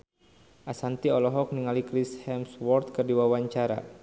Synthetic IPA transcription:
ʔasant̪iɔlɔɦɔk̚niŋalikɾishɛmswɔrt̪̚kɨrdiwawaɲt͡ʃaɾa̰

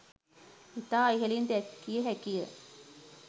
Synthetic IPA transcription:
it̪aːiɦeliːnd̪eɛkːijeɦækijə

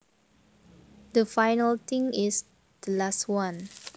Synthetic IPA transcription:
dəfajnəlt̪ɪ̃ŋɪs | d̪̥əlaswãn

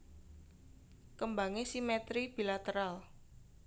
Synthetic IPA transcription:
kəmbaŋesimɛt̪ɾib̥ilat̪əɾal

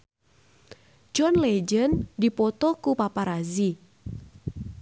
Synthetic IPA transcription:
d͡ʒɔnled͡ʒəndipɔt̪ɔkupapaɾazi

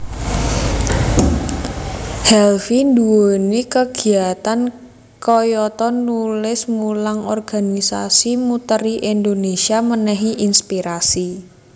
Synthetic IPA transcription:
hɛlfind̪uonikəɡ̥i̤at̪an | kɔjɔt̪ɔnulɪsmulaŋɔrɡ̥anisa̰simut̪əɾiʔind̪onesiamənɛɦiʔinspiɾasi

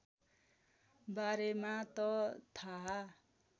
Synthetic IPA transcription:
baɾemat̪ʌt̪ʰaɦ

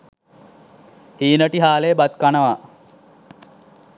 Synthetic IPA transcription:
hiːnəʈiɦaːlejbat̪kanəʋa

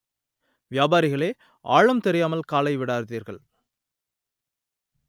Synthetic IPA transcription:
ʋjaːbaːɾɪɣɐɭeː | ʔaːɻɐmt̪ɛɾɪjaːmɐlkaːlɐɪʋɪɽaːɾðiːɾɣɐɭ

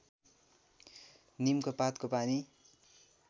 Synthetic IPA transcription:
nimkopat̪kopani

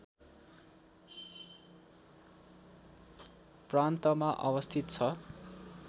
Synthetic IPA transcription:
prant̪ʌmaʔʌ̰wʌst̪ʰit̪t͡sʰʌ

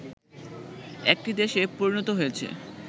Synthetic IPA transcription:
ɛk̚ʈid̪eʃepoɾinot̪oɦojet͡ɕʰḛ

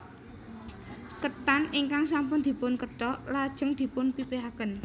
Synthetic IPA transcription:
kət̪aniŋkaŋsampʊnd̪̥i̤pʊnkəɖ̥ɔʔlad̥ʒ̥ə̤ŋd̪̥i̤pʊnpipɾiɦakən

